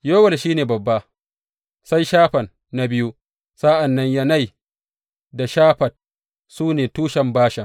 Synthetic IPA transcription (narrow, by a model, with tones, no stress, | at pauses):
jo˦wɐ˨lʃiː˦neː˨bɐ˨bːa˦ | sa˦jʃaː˦ɸɐ˨nːa˦bɪ˦ju˦ | sa˦ʔa˨nːɐ˦ɲja˦na˦˨j | da˨ʃaː˦ɸɐ˨t̚ | suː˦neː˨tuː˦ʃɐ˨mbaː˦ʃɐ˨ŋ